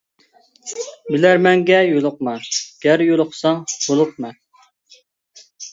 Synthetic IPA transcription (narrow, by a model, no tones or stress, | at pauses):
bɪlæɾmɛŋɡʲɛjolˠʊq̚mɛnɡ̥ʲæɾjolˠʊqsɑŋb̥olˠʊq̚mɛn